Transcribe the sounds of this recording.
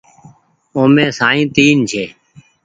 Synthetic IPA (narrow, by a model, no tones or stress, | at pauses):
õːmẽːsaːĩːt̪iːnt͡ʃʰeː